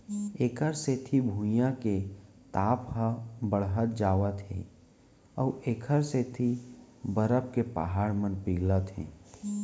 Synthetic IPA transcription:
eːkʰəɾset̪ʰibʱũjãke | t̪aːpɦəbəɽɦət̪̚d͡ʒaːʋət̪ɦḛ̃ː | ɔːɾʔeːkʰəɾset̪ʰibəɾəp̚kepa̰ɦaːɽmənpiːɡlət̪ɦḛ̃ː

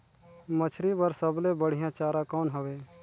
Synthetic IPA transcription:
mət͡ʃʰɾibəɾsəblebəɽ̤ɪjãt͡ʃaːɾãkɔːnɦəʋeː

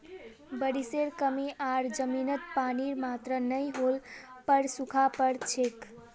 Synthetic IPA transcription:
bəɽiseɾkəmiʔaɾd͡ʒəminət̪̚paniɾmat̪ɾənəjɦolpəɾsukʰapəɾt͡ʃʰek

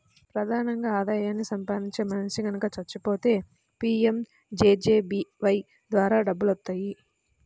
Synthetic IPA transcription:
pɾɐd̪ʱaːnɐŋɡaːd̪aːjaːnːisɐmpaːd̪iɲt͡ʃe̞ːmɐnʂiɡɐnukɐt͡ʃɐt͡ʃːupo̞ːt̪e̞ː | piːem | d͡ʒeːd͡ʒeːbiːʋɐj | d̪ʋaːɾaːɖɐbːulɐt̪ːaːji

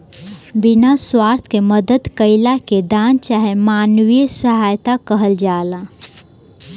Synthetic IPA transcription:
binaswaːɾt̪ʰkeməd̪əd̪kəɪlaked̪aːnt͡ʃaɦemaːnwisəɦaːjt̪akəɦəld͡ʒaːla

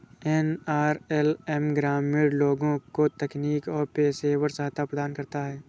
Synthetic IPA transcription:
ɛnaːɾɛlɛmɡɾaːmɪɽloːɡõkot̪ɛkniːkɔːɾpeːseːwəɾsaːt̪apɾəd̪aːnkɐɾt̪aɦɛː

